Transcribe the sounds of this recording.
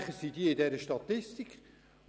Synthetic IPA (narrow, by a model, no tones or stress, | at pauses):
χəsiːdiəɪdɛɾəʃtɑt̪ːɪstikχ